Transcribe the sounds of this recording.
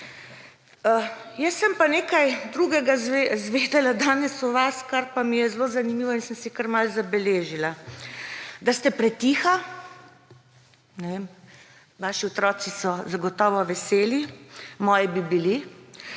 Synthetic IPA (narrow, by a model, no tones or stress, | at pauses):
əjɛsːəmpaneːkajd̪ɾuɡɛɡazezʋeːd̪ɛlad̪aːnɛsuʋaskaɾpamijɛzlozanimiːʋɔinsəmsikaɾmalzabɛleːʒila | d̪ast̪ɛpɾɛt̪iːxa | nɛʋeːm | ʋaːʃiɔt̪ɾɔːsisɔzaɡɔt̪ɔːʋɔʋɛseːlimɔːjibibili